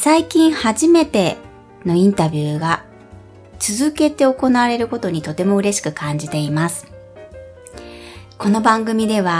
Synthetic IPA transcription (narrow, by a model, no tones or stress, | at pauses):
saikʲĩɰ̃haʑime̞t̪e̞ | no̞ĩnt̪abʲɨːɡa | t͡sɨzɨke̞t̪e̞o̞ko̞naβaɾe̞ɾɯ̟ko̞t̪o̞ɲ̟it̪o̞t̪e̞mo̞ɯ̟ɾe̞ɕi̥kɯ̟kʰãɲ̟d͡ʑit̪e̞imasɨ̥ | ko̞no̞bãŋɡɯ̟mʲid̪e̞β̞a